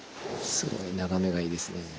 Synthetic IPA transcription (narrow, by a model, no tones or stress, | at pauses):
sɨɡo̞̰inaɡame̞ɡaiːd̪e̞sɨne